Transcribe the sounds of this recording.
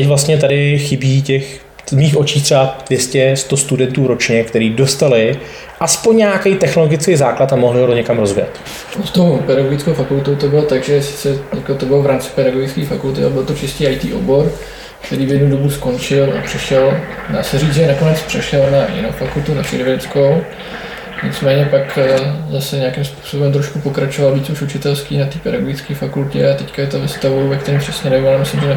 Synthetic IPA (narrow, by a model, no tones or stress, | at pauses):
t̪ɛcvlast̪ɲɛt̪adɪxɪbiːcɛx | miːxʔo̞t͡ʃiːt̪r̥ɛbad̥vjɛscɛst̪o̞st̪udɛnt̪uːɾo̞t͡ʃɲɛkt̪ɛɾiːdo̞st̪alɪ | ʔaspoɲɲaakejt̪ɛxno̞lo̞ɡɪt͡skejzaːklat̪amoɦlɪɦotoɲɛkamɾo̞zvɪjɛ̰t̪ | ost̪owpɛɾaɡoɡɪt͡skowfakult̪owt̪obɪlot̪aɡʒɛsɪ̥t͡sɛɲɛkot̪obɪlovɾaːmt͡sɪ̥pɛɾaɡoɡɪt͡skiːfakult̪ɪa̰bɪlt̪ot͡ʃɪsciːʔajt̪iːʔo̰bo̞ɾ | kt̪ɛɾiːvjɛdnudo̞busko̞nt͡ʃɪlʔa̰pr̝̥ɛʃɛl | daːsɛriːd͡zʒɛnako̞nɛt͡spr̥ɛʃɛlnajɪ̰nowfakult̪unat͡ʃɛ̰ɾvɪɾɛt͡skow | ɲɪt͡smɛːɲɛpakzasɛɲakimspu̥so̞bɛmt̪ɾoʃkupo̞kɾat͡ʃovalviːt͡suʃut͡ʃɪt̪ɛlskiːnat̪iːpɛdaɡoɡɪt͡skiːfakulcɛ̰at̪ɛckajɛt̪ovɛst̪avowvɛkt̪ɛɾiːmpr̥ɛsɲɛnajalamɪslɪmʒɛn